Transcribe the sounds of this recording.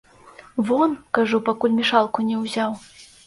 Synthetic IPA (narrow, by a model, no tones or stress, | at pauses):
vɔnkaʐupakulʲmʲiʂalˠkunʲɛwzʲaw